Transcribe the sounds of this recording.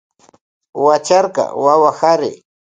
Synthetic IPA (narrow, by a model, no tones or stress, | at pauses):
wat͡ʃaɾqɑ̰wawahaɾɪ